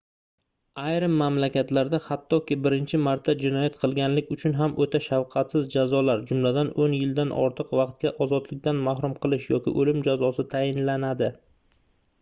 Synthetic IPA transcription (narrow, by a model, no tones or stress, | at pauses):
ajɾɪmːamlakʲʰat̪laɾd̪ahat̪ʰːɒkʲɪbɪɾɪnt͡ʃʰɪmaɾt̪ʰːad͡ʒɪnɒjat̪qʰɨlˠɡʲanlɪkʲʊt͡ʃʰʊnɦamʔot̪ʰaʃawqʰɑt̪sɪzd͡ʒazɒlaɾd͡ʒʊmlad̪anonjɪld̪anʔɒ̰ɾt̪ʰɨqvɑq̚t̪̚kʲaʔɒzɒd̪lɪk̚ʲd̪anmahɾʊmqʰɨlˠɪʃjɒkʲɪʔolɪmd͡ʒazɒsɪt̪ʰajɪnlanad̪ɪ